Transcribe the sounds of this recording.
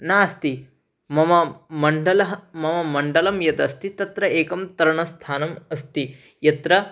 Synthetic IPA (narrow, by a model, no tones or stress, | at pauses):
naːɐst̪i | mɐmɐmɐɳɖɐlɐɦɐmɐmɐmɐɳɖɐlɐmjɐd̪ɐst̪it̪ɐt̪ɾɐeːkɐmt̪ɐɾɐɳɐst̪ʰaːnɐmɐst̪i | jɐt̪ɾɐ